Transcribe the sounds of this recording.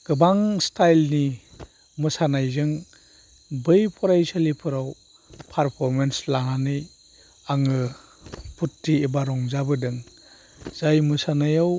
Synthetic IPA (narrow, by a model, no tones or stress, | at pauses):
ɡ̥ɯbaŋstʰajlni | mɯsanajzɯŋ | bɯjpʰɔɾajsalipʰɯɾaw | pʰaɾpʰɔɾmenslaŋanɯj | aŋɯ | pʰutːiebaɾɔŋzabɯdɯŋ | z̥ajmɯsanajaw